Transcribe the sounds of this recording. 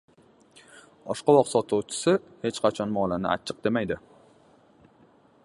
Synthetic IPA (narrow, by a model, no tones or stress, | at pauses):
bɒʃqɑwɒqsɒt̪ʰuwt͡ʃʰɪ̥sɪhe̞t͡ʃqʰɑt͡ʃʰɒnmɒlanɪ̰a̰t͡ʃʰːɪq̚d̪e̞majd̪ɪ